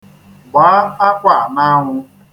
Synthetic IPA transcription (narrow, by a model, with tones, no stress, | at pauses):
ɡ͡ba˨˦a˦kʷa˨na˦ɦʊ˧